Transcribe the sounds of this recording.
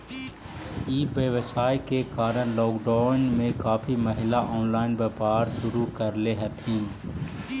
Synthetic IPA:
iːbeʋəsaːekekaːɾəñlɔːkɖaːnmẽkaːpʰimɐɦɪlaʔɔːnlaːɪnbɐpaːɾʃʊɾukəɾleɦɐt̪ʰĩː

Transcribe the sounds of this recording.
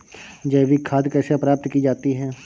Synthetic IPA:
d͡ʒɛːʋikʰaːd̪kɛːseɐpɾaːp̚t̪kid͡ʒaːt̪iɦɛː

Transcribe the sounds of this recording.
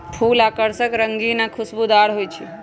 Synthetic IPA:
pʰuːlakəɾsəkɾəŋɡinakʰʊsbud̪aɽɦojt͡ʃʰe

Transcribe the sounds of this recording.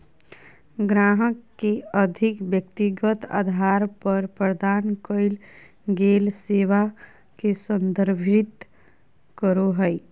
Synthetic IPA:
ɡɾaːɦəkːeəd̪ʱɪkʋjək̚t̪iɡət̪a̰ːd̪ʱaːɾpəɾpɾəd̪aːnkəɪl | ɡeːlseːʋa | kesə̃nd̪əɾbʱɪt̪ | kəɾoɦə

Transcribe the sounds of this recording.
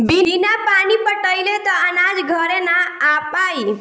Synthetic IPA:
biinapanipəʈəjlet̪əənad͡ʒɡʱəɾenaːpai

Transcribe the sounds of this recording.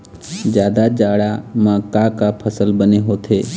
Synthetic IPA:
d͡ʒjaːd̪ad͡ʒaːɽamãkakapʰəsəlbəneɦoːt̪ʰɦeː

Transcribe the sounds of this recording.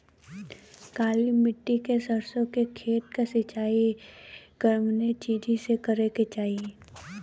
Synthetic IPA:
kaːlimɪʈːikesəɾsõkekʰeːʈ̪kasɪt͡ʃaːi | ɡ̥əɾmnet͡ʃiːd͡ʒisekəɾeket͡ʃaːɦie

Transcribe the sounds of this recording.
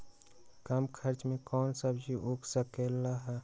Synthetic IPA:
kəmkʰəɾt͡ʃmẽkɔːnsəbd͡ʒʱiʔokʰsəkelaɦɛ

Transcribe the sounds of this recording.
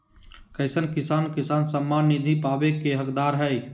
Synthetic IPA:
kəɪsənkɪsaːnkɪsaːnsəmːaːnːɪd̪ʱipaːbekeɦəkd̪aːɾɦɛi

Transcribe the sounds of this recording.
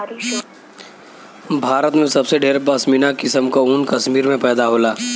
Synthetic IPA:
bʱaːɾət̪mẽsɐbseɖeːɾbəsminakɪsəmkauːnkɐʃmiːɾmẽpɛːd̪aɦoːlaː

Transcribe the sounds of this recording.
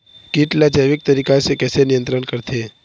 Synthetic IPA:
kiːʈlad͡ʒaːʋɪk̚t̪ɐɾiːkasekɛːsenɪjə̃nt̪ɾənkɐɾt̪ʰeː

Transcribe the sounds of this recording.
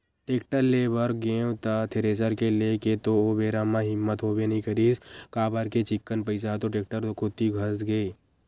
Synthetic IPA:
ʈeːk̚ʈəɾleːbəɾɡẽːwt̪at̪ʰeɾeːsəɾkeleket̪oobeːɾamãɦɪmːət̪ɦoːbenəɦĩkʰəɾiːskaːbaɾket͡ʃɪkːənpəɪs̬at̪oʈeːk̚ʈəɾokʰʊt̪iɡʱəsɡəi

